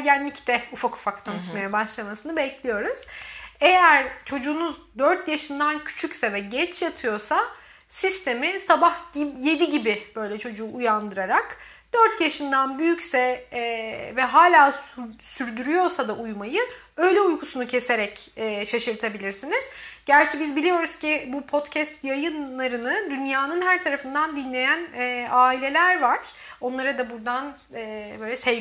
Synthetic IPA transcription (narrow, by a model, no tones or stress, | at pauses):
ɟænːʲict̪ʰɛufaku̥fakt̪ʰanɯʃmajabaʃlˠamasɯnɯbɛclʲijo̞ɾuz̥ejæɾt͡ʃʰo̞d͡ʒuːnuzd̪øɾt̪jaʃɯnd̪ancʰy̥t͡ʃʰycsɛvɛɟɛt͡ʃjat̪ʰɯjo̞ɾsa | sist̪ʰe̞misabahɟimje̞d̪iɟibib̥ø̞jlʲɛt͡ʃʰo̞d͡ʒuːjand̪ɯɾaɾak | d̪̥øɾt̪jaʃɯnd̪anbyjycsɛ | vɛɦaːlʲaːsyɾd̪yɾyjo̞ɾsad̪aʔujmajɯ | ø̞jlʲɛujkʰusunucʰe̞se̞ɾɛcɛːʃaʃɯɾt̪ʰabilʲiɾsiniz̥ɟæɾt͡ʃʰɛbizbilʲijo̞ɾuz̥cibupʰo̞t̪cʰɛst̪jajɯnlˠaɾɯnɯd̪ynjaːnɯnɦæɾt̪ʰaɾafɯnd̪and̪inlʲe̞jænɛːaːilʲe̞lʲæɾvaɾ̥o̞nlˠaɾad̪abuɾd̪an | ɛbø̞jlʲɛsɛ